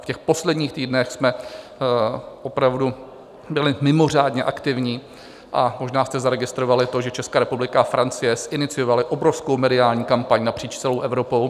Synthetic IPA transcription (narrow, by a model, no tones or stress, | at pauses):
fcɛxpo̞slɛdɲiːxt̪iːdnɛxsmɛ | ʔo̞pɾavdu | bɪlɪmɪmo̞r̝aːdɲɛʔakt̪ɪvɲiː | ʔamo̞ʒnaːst̪ɛzaɾɛɡɪst̪ɾovalɪt̪o̞ʒɛt͡ʃɛskaːɾɛpublɪkaafɾʔant͡sɪjɛsʔɪnɪt͡sɪjo̞valɪʔo̞bɾofskowmɛdɪaːlɲiːkampaɲnapr̥iːt͡ʃtt͡sɛlo̞wʔɛvɾo̞pow